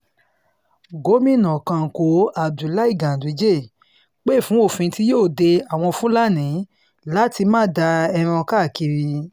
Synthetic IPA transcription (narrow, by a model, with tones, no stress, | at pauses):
ɡo˨˦mĩ˦˨nã˨kã˧ŋ̩˨ko˨˦a˨du˨˦la˦i˦˨ɡã˨di˨˦d͡ʒe˦˨ | k͡pe˦˨fũ˨˦o˦˨fĩ˧ti˦joː˦˨de˧a˨w̃ɔ̃˧fũ˦la˦˨nĩ˨˦ | la˦ti˧mãː˦˨da˧ɛ˧ɾ̃ɔ̃˧ka˦˨ki˧ɾi˧